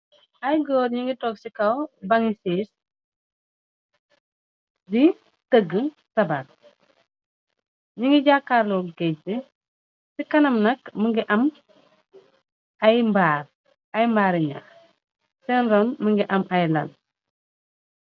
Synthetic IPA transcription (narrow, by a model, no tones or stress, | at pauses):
ɐjɡɔːɾɲiŋɡitɔksikɐwbɐŋisiːs | di | təɡə | sɐbat̚ | ɲiŋɡiɟakːaːɾlɔɡɛdi | sikɐnɐmnɐkməŋɡiʔɐm | ɐjmbaːr | ɐjmbaːɾiɲa̰ | sɛnɾɔnməŋɡiʔɐmʔɐjlɐn